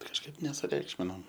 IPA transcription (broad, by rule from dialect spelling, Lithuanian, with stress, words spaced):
kɐʃˈkɐɪp nʲɛsʊˈrʲɛɪkʃʲmʲɪnoːm